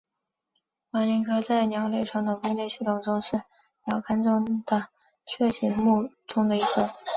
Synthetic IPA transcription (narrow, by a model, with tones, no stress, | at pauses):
ma˧˥li˧˥ŋkʰɤ˥t͡sa˥˩ɪnjɑ˨˩ʊle˥˧ɪʂɑ˥˩ŋd̪ə˩mu˥˧njɛ˥˧ɕy˥˩t̪ʊ˥˩ŋʈ͡ʂʊ˥ŋʂɻ̩˥˩ | njɑ˨˩ʊkʰa˥nʈ͡ʂʊ˥ŋd̪̥ə˨˩ | t͡ɕʰɥɛ˥˩ɕi˧˥nmu˥˩ | ʈ͡ʂʊ˥ŋd̪ə˨i˧˥kʰə˥